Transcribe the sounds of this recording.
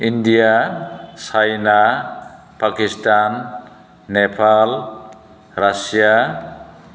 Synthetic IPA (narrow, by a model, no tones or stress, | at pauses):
indijasʰajna | pakistanː | epʰal | ɾasija